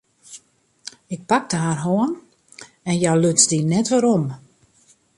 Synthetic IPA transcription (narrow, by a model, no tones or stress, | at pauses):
ɪk̚pak̚dəɦarɦoən | ɛnjaløt͡sdinɛtʋaɾom